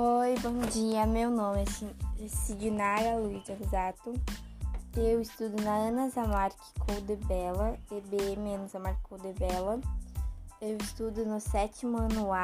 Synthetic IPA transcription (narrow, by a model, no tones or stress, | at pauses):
ojbõw̃d͡ʒiɐmewnõmɪsiesɪd͡ʒinaɾaluid͡ʒɛɦizat̪ʊ | ewɪst̪ud̪ʊnɐɐ̃nɐzamaɾkɪ̥kʰowd̪ebɛlɐebeemɪɐ̃nɐzamaɾkɪkowd̪ebɛlɐ | ewist̪ud̪ʊnʊsɛt͡ʃimʊɐnua